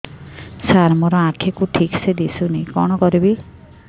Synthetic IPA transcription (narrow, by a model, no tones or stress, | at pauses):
saɾmɔɾɔãkʰekuʈʰiksed̪isunẽkɔɽ̃ɔkɔɾibi